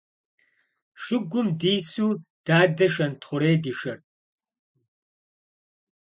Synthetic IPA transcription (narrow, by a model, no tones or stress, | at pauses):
ʂɨɡʷʊmdiːsuːd̥aːdɐʃɐntʰχʷʊɾeːdiʃɐrt